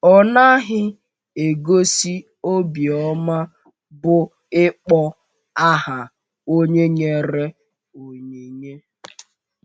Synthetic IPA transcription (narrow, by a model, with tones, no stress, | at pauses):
ɔ˦na˦ɦɪ˦ | e˨ɡo˦si˦ | o˦bi˨ɔ˦ma˦ | bʊ˦ | ɪ˦k͡pɔ˦ | a˦ɦa˨ | o˦ɲe˦ɲe˨ɾe˦ | o˨ɲe˨ɲe˦